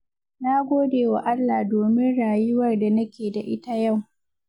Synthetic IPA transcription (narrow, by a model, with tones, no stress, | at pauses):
na˦ɡʷoː˦deː˨wa˨ʔa˦lːaː˨doː˨mɪ˦nɽaː˨jʊ˦wɐ˨rda˨nɐ˦kʲeː˨da˨ʔɪ˦ta˦ja˦˨w